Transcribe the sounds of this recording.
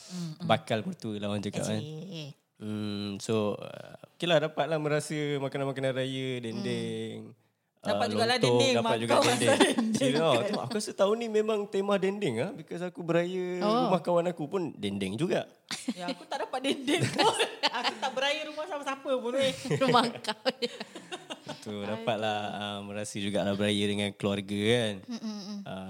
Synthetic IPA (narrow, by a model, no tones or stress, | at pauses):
bakalpərt̪uəlawand͡ʒuka̰ʔa | m̩soə̰kilahdapat̪̚lahmə̃ɾasəmakananmakanaɾajədɛndɛŋ | əatd͡ʒulɡaladodaat̪̚d͡ʒuɡaɛndɛdɛndaua̰kuasət̪aunimemãŋt̪emahdɛndɪŋlahbikas̬akubəɾajəɾumahkawanakupʊndɛndɛŋd͡ʒuɡaʔ | jaakut̪aʔdapat̪̚dɛndɛŋt̪ʊakut̪aʔbəɾajəɾumahsapasapəpunɾumaka | t̪udapat̪̚lahəməɾasəd͡ʒuɡaʔlahbəɾajədəŋankəluarɡakan | ə